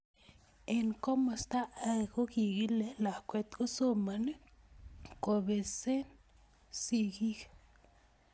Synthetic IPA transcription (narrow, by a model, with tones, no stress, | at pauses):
e˨nko˦ma˨st̪a˦ʔa˦˨ɡo˦ɡi˨ɡi˦le˨la˨kʷe˨t̪ɡo˦so˦ma˨ni˦ | ko˨be˨se˦n | si˧ɡi˦ɡ